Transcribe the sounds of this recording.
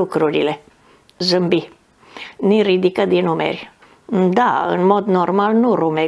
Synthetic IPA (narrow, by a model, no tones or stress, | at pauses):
ukɾuɾile̞ | zɨmbi | nirid̪ikəd̪inumḛrʲ | d̪a̰ɨ̰nmo̞d̪normalnuɾume